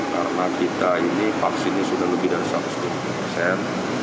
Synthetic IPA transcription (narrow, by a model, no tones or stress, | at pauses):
ka̰ɾənakit̪ainifaksinisudahləbɪhdaɾisat̪ʊ̥sdimapupərsɛn